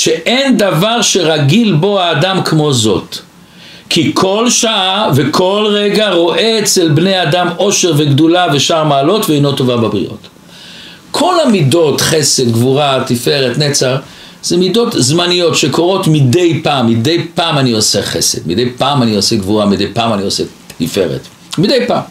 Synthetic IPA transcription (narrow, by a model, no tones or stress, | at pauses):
ʃeʔend̪avaʁʃe̞ʁaɡilbo̞aːdamkmo̞zo̞t | kʰikʰo̞lʃaave̞kʰo̞lʁeɡaʁo̞ʔeet͡selbnejadamo̞ʃe̞ʁveɡd̪ulaveʃaʁmaːlo̞tveenoto̞vabebʁḭʔo̰t̪ | kʰo̞lhamido̞tχese̞dɡvuʁat̪ife̞ʁetnet͡saʁ | z̥emido̞tzmanijo̞tʃekʰo̞ʁo̞tmide̞jpaːmːide̞jpaːmanio̞seχese̞̰d̪mid̪ejpaːmanioseɡvuʁamid̪ejpaːmanio̞se | tife̞̰ʁḛt̪ | mid̪ejpa̰ːm